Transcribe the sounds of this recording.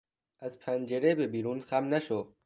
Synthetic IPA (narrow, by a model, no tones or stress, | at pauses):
azpʰand͡ʒeɾebebiɾuːnxamnaʃo